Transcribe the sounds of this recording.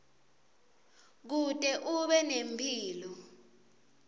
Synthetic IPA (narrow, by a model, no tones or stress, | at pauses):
k̬utʼɛʔuɓɛnempʰʼiːlɔ